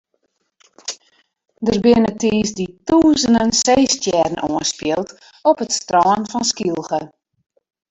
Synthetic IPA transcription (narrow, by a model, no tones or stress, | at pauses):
dərbɪnətiːsdituːzənənseːstjɛrn̩oənspjɪlˠt | ɔpətstrɔːənfɔnskilˠχə